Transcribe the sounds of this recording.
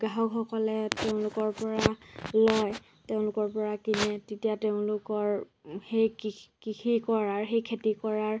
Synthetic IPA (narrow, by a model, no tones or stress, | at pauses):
ɡaɦɔkxɔkɔlɛteʊ̃lʊkɔɹpɔɹalɔj | teʊ̃lʊkɔɹpɔɹakinɛtetijateʊ̃lʊkɔɹ | hejkikikʰikɔɹaɹxejkʰetikɔɹaɹ